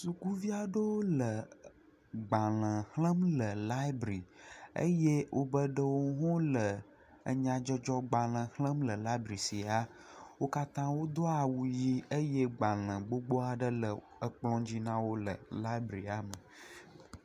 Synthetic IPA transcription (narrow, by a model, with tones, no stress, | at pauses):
su˨ku˦vi˦a˦ɖə˦wo˦lə˨ | ɡ͡bã˨lə̃˨hlə̃˦mlə˨la˦i˦bɾi˨ə̰˦je˦wʔo˦bə˦ɖə˦wo˦ɦɔ̃˦lə˨ | ə̰˨ɲã˨d͡ʒɔ˦d͡ʒɔ˦ɡ͡ba˨l̃ə̃˨hlə̃˦mlə˨la˦i˦bɾi˨si˨a˦ | wo˦ka˦t̪ã˦wo˦d̪ɔ˦a˨wu˨ji˦ə˦je˦ɡ͡bã˨lə̃˨ɡ͡bo˦ɡ͡bo˦a˨ɖə˦lə˨ | ə˦k͡plɔ̃˦d͡ʑi˦nã˦wo˦lə̰˨la˦i˦bɾi˨a˨mə˨